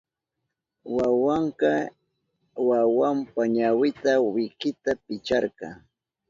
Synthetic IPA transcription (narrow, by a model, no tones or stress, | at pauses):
wawɑɴqɑ | wawampaɲawɪt̪awɪkɪt̪apɪt͡ʃɑɾɢɑ̰ŋ